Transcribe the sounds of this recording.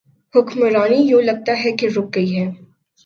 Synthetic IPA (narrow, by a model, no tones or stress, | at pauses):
hʊkmɾaːnijoːlɐɡ̚t̪aɦɛkeɾʊk̚ɡɐiɦɛː